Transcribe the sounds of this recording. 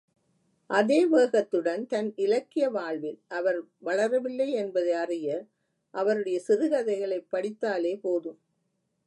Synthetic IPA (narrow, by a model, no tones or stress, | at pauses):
ʔɐðeːʋeːɣɐt̪ːɯɽɐnt̪ɐnɪlɐkːɪjɐʋaːɭʋɪlʔɐʋɐɾʋɐɭɐɾɐʋɪlːɐɪɛnbɐðɐɐrɪjɐɾ | ʔɐʋɐɾɯɽɐjɐsɪɾɯɣɐðɐɪɣɐɭɐɪpːɐɽɪt̪ːaːleːpoːðɯm